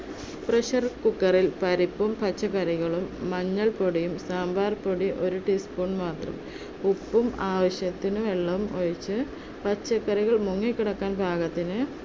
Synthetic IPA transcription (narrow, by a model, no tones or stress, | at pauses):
prɐɕɐrkukːɐrilpɐɾipːumpɐt͡ɕːɐkːɐɾiɣɐɭumːɐɲːɐɭpoɽijumsaːmbʱaːrpoɽiʔo̞ɾuʈispoːɳmaːt̪rɐ̰m | upːumaːʋɐɕjɐt̪ːinɨʋeɭːɐmoɻit͡ɕːɨ | pʰɐt͡ɕːɐkːɐɾiɣɐɭmuŋːɐkʲːiɽɐkːaːnbʱaːɡɐt̪ːinɨ